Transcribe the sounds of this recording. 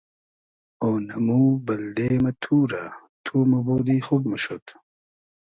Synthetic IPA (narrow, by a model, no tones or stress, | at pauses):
oːnɐmubɐld̪emɐt̪ʰuːɾa | t̪ʰuːmɐboːd̪ixub̚mɐɕot̪